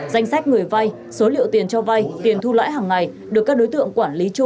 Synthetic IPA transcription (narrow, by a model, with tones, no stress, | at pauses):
za˧jŋ̟sa˦˥k̟̚ŋɨ˨˩əjva˧j | so˨˦lḭ˧˨əwt̪i˨˩ənt͡ɕɔ˧va˧jt̪i˨˩ənt̪ʰu˧lwa̰ː˧˥jɦaː˨˩ŋːa˨˩j | ɗɨ˨˩kːk̚ɗo˨˦jt̪ɨ̰˧˨əŋkwaː˧˩nli˨˦t͡ɕu˧